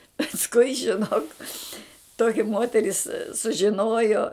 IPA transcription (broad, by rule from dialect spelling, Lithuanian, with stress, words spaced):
pɐsˈkʊɪ ʒʲɪˈnoːk ˈtoːkʲɪ ˈmoːtʲɛrʲɪs sʊʒʲɪˈnoːjoː